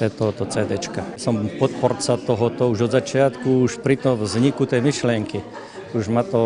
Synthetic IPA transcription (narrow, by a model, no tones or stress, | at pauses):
t̪ɛt̪ɔɦɔt̪ɔt͡sɛːd̪ɛt͡ʃkasɔmpɔt̪̚pɔrt͡sat̪ɔɦɔt̪ɔuʒɔd̪zat͡ʃɪat̪kuuʃpɾit̪ɔmvzɲikut̪ɛjmiʃlɪɛŋki | uʒmat̪ɔ